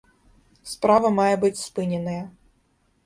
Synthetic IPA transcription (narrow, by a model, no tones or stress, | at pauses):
spɾavɐmajɛbɨt͡sʲspɨnʲɛnɐjɐ